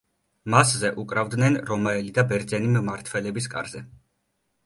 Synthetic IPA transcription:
maszɛʔukʼɾavd̪nɛnɾɔmaɛlid̪abɛɾd̪zɛnimmaɾt̪ʰwɛlɛbiskʼa̰ɾzɛ

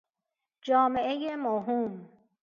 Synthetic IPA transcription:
d͡ʒɒːme̞ʔejemoɦum

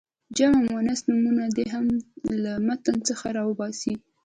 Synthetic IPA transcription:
d͡ʒamamwanasnumunad̪eɦamlamat̪ənt͡səxaɾɑwəbɑsi

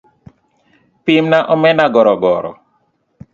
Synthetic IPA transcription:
pimnaʔɔmɛnaɡɔɾɔɡɔɾɔ̰

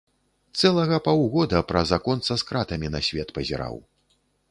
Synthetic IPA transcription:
t̪sɛlˠɐɣɐpawɣɔd̪ɐpɾɐzakɔnt̪sɐskɾat̪ɐmʲinɐsʲvʲɛt̪pɐzʲa̰ɾa̰w

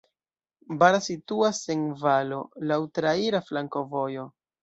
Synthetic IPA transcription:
baɾasituase̞nvalo̞lawtɾaiɾaflaŋko̞vo̞jo̞

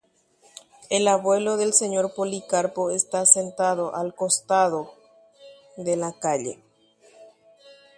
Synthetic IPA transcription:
elaβwe̞lo̞ðelseɲo̞ɾpolikaɾpoest̪asent̪að̞oʔalkost̪að̞o | ðe̞lakaʎḛ

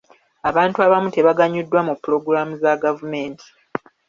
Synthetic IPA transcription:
aβaːntuaβamute̞βaɡaɲːudːwamupːuɾo̞ɡuɾamuzaɡavume̞ːntʰi̥

